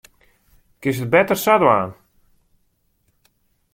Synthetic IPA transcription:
kɪsət̚bɛtərsadwaːn

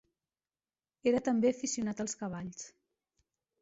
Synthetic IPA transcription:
eɾət̪əmbeəfisiunat̪əlˠskəβ̞aʎs

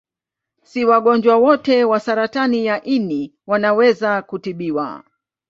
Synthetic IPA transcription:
siwaɠɔnd͡ʒwawɔtɛwasaɾatanijaʔiniwanawɛzakutiɓiwa̰

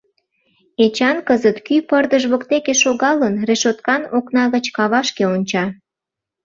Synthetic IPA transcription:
et͡ɕɑnkəzət̪kypərd̪əʒβokt̪ekeʃoɣɑlənreʃot̪kɑnoknɑɣət͡ɕkɑβɑʃkeonʲt͡ɕɑ

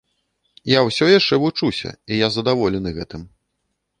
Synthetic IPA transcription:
jawsʲɔjaʂt͡ʂɛvut͡ʂusʲɐ̰ijazɐd̪avɔlʲɛnɨɣɛt̪ɨm

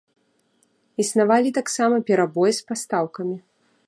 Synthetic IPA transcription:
isnavalʲit̪aksamɐpʲɛɾabɔjspast̪awkɐmʲi

